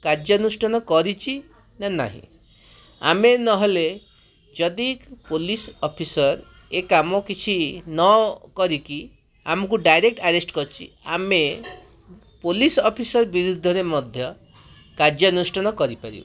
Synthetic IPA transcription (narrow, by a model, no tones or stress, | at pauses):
kaɾd͡ʒjɔnusʈɔnɔkɔɾit͡ʃʰi | nana̰ɦḭ̃ | a̰menɔɦele | d͡ʒɔd̪ikpolisɔpʰisɔɾ | ekamɔkit͡ʃʰinɔkɔɾiki | a̰mɔkuɖajɾek̚ʈaɾesʈkɔɾt͡ʃʰḭ | a̰me | polisɔpʰisɔɾbiɾud̪ʱɔɾemɔd̪ʱjɔ | kaɾd͡ʒɔnusʈɔnɔkɔɾipaɾḭbɔ̰